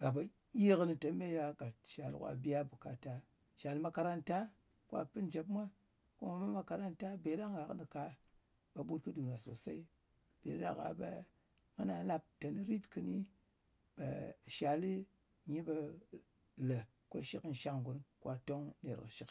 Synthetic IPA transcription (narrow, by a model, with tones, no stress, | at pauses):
ɡ̥a˨ba˨ | ji˦kni˨tə˨me˦ja˧ka˨tʃa˨lkʷa̰˦bi˦a˦bu˨ka˨ta˨ | ʃa˨lma˧ka˧ɾa˦nta˦ | kʷa̰˦pɨ˦nd͡ʒe˨pmʷa˦ | ku˦ma˨ma˦ma˧ka˧ɾa˦nta˦be˨ɗa˦ŋɡa˨knɨ˨ka˧ | ɓa˨ɓu˦t̚kɨ˦du˨na˨so̰˨sa̰˦i˦ | b̥e˨da̰˦ka̰˨ɓa̰˨ | ŋɨ˦na˨la˧p̚ta˨ni˦ɾi˦tkɨ˧˦ni˦ | ɓa̰˨ʃa˨li˦ | ɲi˦ɓa˧ | lə˨ | ko̰˦ʃi˦kn̩˨ʃa˧ŋŋɡu˨nkʷa˦to˦ŋ˦ne˨ɾkɨ̰˨ʃi˦k